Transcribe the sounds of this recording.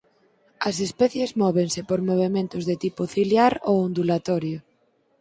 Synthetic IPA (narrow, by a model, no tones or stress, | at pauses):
ɐsespɛθjezmɔβeŋsɪpoɾmoβ̞emẽnt̪ʊzðet̪ipʊθiljaɾo̰wond̪ulat̪ɔɾjʊ